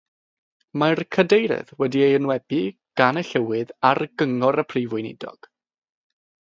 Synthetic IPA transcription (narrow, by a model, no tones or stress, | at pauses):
markʰədejɾɨ̰ðwɛdiejənwɛbi | ɡ̥anəɬɛwɨðarɡəŋɔɾəpʰrivʊjnɪ̰dɔ̰ɡ̥